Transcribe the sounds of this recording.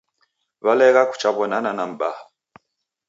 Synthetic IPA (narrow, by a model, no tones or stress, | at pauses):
βalɛɣaku̥t͡ʃaβɔnananam̩ba